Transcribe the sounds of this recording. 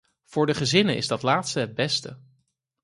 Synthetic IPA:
v̥ʊːɹdəχəzɪnənʔɪ̰zdɑtlaːtstəɦəd̚bɛstə

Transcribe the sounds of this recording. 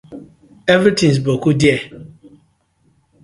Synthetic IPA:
evɾitĩs̬bokudiɛ

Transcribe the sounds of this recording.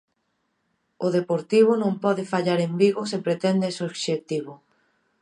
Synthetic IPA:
ʊðepoɾt̪iβ̞ʊnõmpɔðɪfaʎaɾembiɣosepɾet̪ɛnd̪esoβʃek̚t̪iβʊ

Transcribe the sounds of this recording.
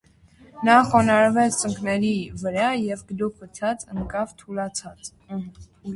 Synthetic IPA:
nɑχɔnɑɾvɛt͡sʰt͡səŋkʰnɛɾivəɾɑjɛvɡəd̪upʰət͡sʰɑt͡səŋkɑvt̪ʰulɑt͡sʰɑt͡s

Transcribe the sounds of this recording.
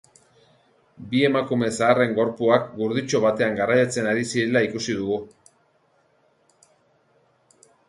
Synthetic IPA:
bie̞makume̞saːre̞ŋɡo̞ɾpuakɡuɾð̞it͡ʃo̞βat̪e̞aŋɡarajat͡se̞naɾisiɾe̞laikusiðuɣu

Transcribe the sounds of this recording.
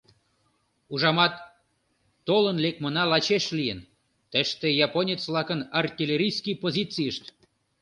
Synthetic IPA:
uʒɑmɑt̪ː | olə̆nlek̚mənɑlɑt͡ɕeʃlijən | t̪ə̆ʃt̪ĕjɑponʲet͡svlˠɑkə̆nɑrt̪ʲilʲeɾʲijskʲijpozʲit͡sijəʃt̪

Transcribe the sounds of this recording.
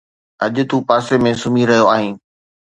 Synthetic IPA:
ɐʄʊ̆t̪uːpaːsemẽsʊmiɾɐɦijoaːɦĩː

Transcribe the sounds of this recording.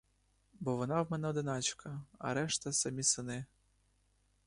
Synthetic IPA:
bɔʋɔnɑwmɛnɛɔd̪ɪnɑt͡ʃkʰɐɐ̰ɾɛʃt̪ɐsɐmʲisɪnɪ

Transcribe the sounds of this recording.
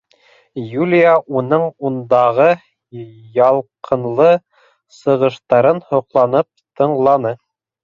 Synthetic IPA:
julʲijaʔunɤɴund̪ɑʁɤ | jɑlˠqʰɤ̆nlˠɤ | sɤ̆ʁɤ̆ʃt̪ɑɾɤnhŏqlˠɑnɤp̚t̪ɤ̆ɴlˠɑnɤ

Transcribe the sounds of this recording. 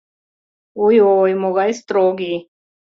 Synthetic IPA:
ujojmoɣajst̪ɾoːɡi

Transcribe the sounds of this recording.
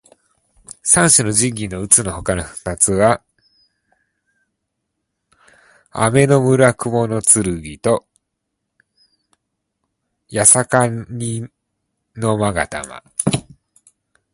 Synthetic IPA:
sãɰ̃ɕɨno̞ʑĩɡʲinːo̞ɯ̟t͡sɨno̞ho̞kanoɸɯ̟̥t̪at͡sɨβa | a̰me̞no̞mɯ̟ɾakɯ̟mo̞no̞t͡sɨɾɯ̟ɡʲit̪o̞ | jasakaɲi | no̞maɡa̰t̪a̰ma̰

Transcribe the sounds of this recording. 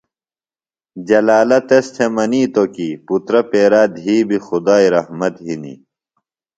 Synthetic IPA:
d͡ʑɐlaːlɐt̪est̪ʰemɐniːt̪okiput̪ɾɐpeːɾaːd̪ʱɦiːbixud̪aːiɾɐhmɐt̪ɦinḭ

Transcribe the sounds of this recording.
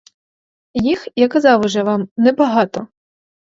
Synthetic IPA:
jixjakɐzɑwʊʒɛʋɑmnɛbɐɦɑt̪ɔ

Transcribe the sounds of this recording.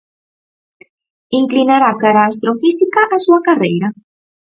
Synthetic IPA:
iŋklinaɾakaɾaːs̬t̪ɾofisikaʔasuakarejɾa

